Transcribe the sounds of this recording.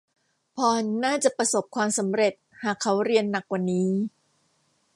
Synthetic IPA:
pʰɔː˧naː˥˩t͡ɕa˨˩pɾa˧so˨˩p̚kʰwaː˧msa˩˦mɾe˨˩t̪̚haː˨˩kʰːa˦˥wɾi˧ənːa˨˩k̚wa˨˩nːiː˦˥

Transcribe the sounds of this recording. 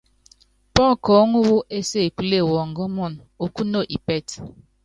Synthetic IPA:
pɔ˦kɔ˨˦ŋu˦wu˦ʔe˦se˦˨kʷu˨le˦˨wɔ˨ŋ̩˨ɡɔ˦mɔ˦˨n | o˨ku˦no˦ʔi˨pe˦˨t

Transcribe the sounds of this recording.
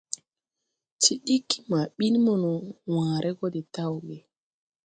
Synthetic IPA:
ti˨ɗi˦kːi˦ma˨ɓi˦nmɔ˦˨nu˨wãː˨ɾʔɛ˦ɡɔ˦dɛ˨ta˦wɡɛ˨

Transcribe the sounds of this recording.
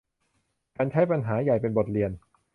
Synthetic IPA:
kaː˧nt͡ɕʰa˦˥˩jpa˧nɦaː˩˦ja˨˩jpe˧nbo˨˩t̪̚li˧ən

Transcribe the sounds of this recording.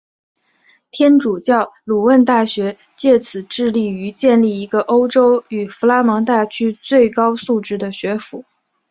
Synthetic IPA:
t̪ʰjɛ˥nʈ͡ʂu˨˩t͡ɕjɑ˥˩ʊlu˨˩wə˥˧nt̪a˥˩ɕɥɛ˧˥ | t͡ɕjɛ˥˩t͡sʰɹ̩˨˩ʈ͡ʂɻ̩˥˧li˥˩y˧˥t͡ɕjɛ˥˧nli˥˩i˧˥ɡə˧ʔo˥ʊʈ͡ʂo˥ʊy˨˩fu˧˥la˥mɤ˧˥ŋt̪a˥˩t͡ɕʰy˥t͡swe˥˩ɪkɑ˥ʊsu˥˩ʈ͡ʂɻ̩˥˩d̪ə˨ɕɥɛ˧˥fu˧˥˦

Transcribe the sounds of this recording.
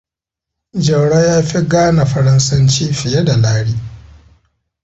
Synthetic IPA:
d͡ʒɐ˨wɽa˦jaː˦ɸi˦ɡaː˦na˨ɸɐ˦ɾɐ˦nsɐ˦nt͡ʃiː˦ɸɪ˨jɛ˦da˨laː˦ɽiː˦

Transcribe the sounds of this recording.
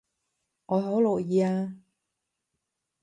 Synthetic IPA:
ŋɔː˨˧ɦo˨˥wlɔ˨˩jiː˨˧aː˧

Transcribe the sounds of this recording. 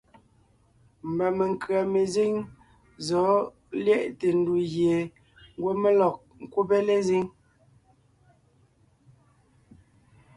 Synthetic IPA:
m̩˨ba˨me˨ŋkɰa˨me˨zi˦ŋ | zɔ˨˦ | ljɛ˦˨ʔte˨n̩˦du˨ɣje˨ | ŋ˦ɡwo˦me˦lɔ˨k̚ŋ̩˨kwu˦be˦le˦zi˦ŋ

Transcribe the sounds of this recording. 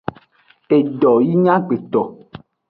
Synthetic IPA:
e˨ɖɔ˨ji˦ɲã˦ɡ͡be˨t̪ɔ˨

